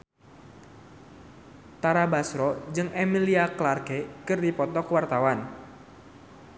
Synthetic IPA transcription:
t̪aɾabasɾɔd͡ʒɨŋʔemiliaklarɡɛkɨrdipɔt̪ɔkwart̪awan

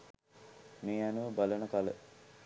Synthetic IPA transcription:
meːanuʋəbalənəkalə

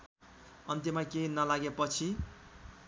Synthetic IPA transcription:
ʌnt̪jemakenʌlaɡepʌt͡sʰi

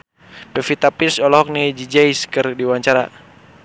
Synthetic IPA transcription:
pɛfit̪apisɔlɔɦɔk̚nid͡ʒid͡ʒaiskɨrdiwaɲt͡ʃaɾa̰

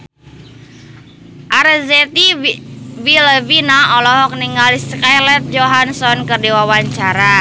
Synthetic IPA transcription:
ʔaɾəzɛt̪i | viləvinaɔlɔɦɔk̚niŋaliskajlɛt̪̚d͡ʒɔɦansɔnkərdiwawaɲt͡ʃaɾa

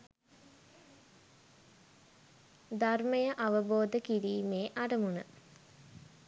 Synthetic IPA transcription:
d̪arməjəʔaʋəboːd̪əkiɾiːmeːʔaɖəmunə

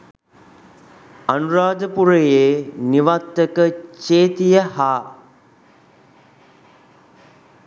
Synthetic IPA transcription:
ɐnuɾaːd̪əpuɾəjeːniʋat̪ːəkət͡ʃeːt̪ijəhaː

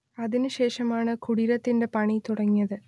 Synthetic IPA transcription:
ɐðinɨɕe̞ːʂɐmaːɳɨkuɽiɾɐt̪ːinde̞pɐɳit̪uɽɐŋːijɐðɨ

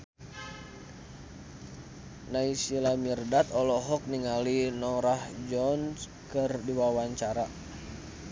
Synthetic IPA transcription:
naisilamirdat̪ɔlɔɦɔk̚niŋalinɔɾahd͡ʒɔns | kɨrdiwawaɲt͡ʃaɾa

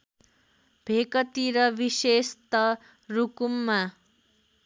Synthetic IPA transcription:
b̥ʱekʌt̪iɾʌbisest̪ʌ | rukumːa

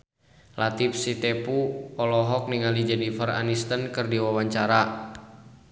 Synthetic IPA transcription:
lat̪ip̚sit̪ɛpuɔlɔɦɔk̚niŋalid͡ʒɛnifəra̰nist̪ənkɨrdiwawaɲt͡ʃaɾa

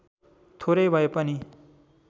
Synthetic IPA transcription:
t̪ʰoɾʌjbʱʌepʌni

